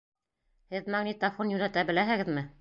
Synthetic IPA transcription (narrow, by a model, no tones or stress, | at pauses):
hɘðmɑŋnit̪afonjʉnæt̪æbɘ̆læɦɘ̆ɡɘðmɘ